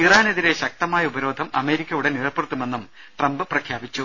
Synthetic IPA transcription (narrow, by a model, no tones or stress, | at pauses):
iraːneðiɾe̞ɕɐk̚t̪ɐmaːjɐubɐɾoːd̪ʱɐmɐ̰me̞ːɾikʲːɐjuɽenirɐpːeɽɨt̪ːume̞nːum | ʈrɐmbɨprɐkʰjaːbit͡ɕːu